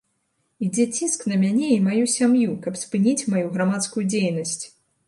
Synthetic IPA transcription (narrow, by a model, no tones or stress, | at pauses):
id͡zʲɛt͡sʲisknɐmʲanʲɛimajusʲamjukɐpspɨnʲit͡sʲmajuɣɾamat̪skujud͡zʲejnɐsʲt͡sʲ